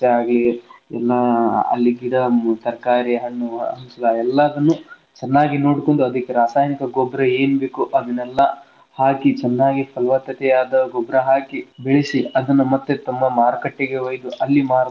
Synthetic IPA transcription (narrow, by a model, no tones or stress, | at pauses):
eaːɡliɛ̰lːɐɐ̰lːiɡiɽɐt̪ɐɾɐkaːɾiɦɐɳːuɐ̰nslɐɛlːɐɐd̪ɐnːu | t͡ʃɛnːaːɡino̞ːɽkoɳɖuɐd̪ɐkːeɾaːsaːjɐnikɐɡɔbɾɐe̞ːnbeːkuʔɐd̪ɐnːɛlːɐ | haːkit͡ʃɛnːaːɡipʰɐlʋɐt̪ːɐt̪ɛjaːd̪ɐɡɔbɾɐɦaːkibeɭisiɐd̪ɐnːumɐt̪ːet̪ɐmːɐmaːɾɐkɐʈːeɡeojd̪uʔɐlːimaːɾ